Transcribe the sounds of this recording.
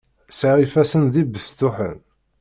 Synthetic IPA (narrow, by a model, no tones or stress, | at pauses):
saɾifæsənðibəst̪ːʊħə̰n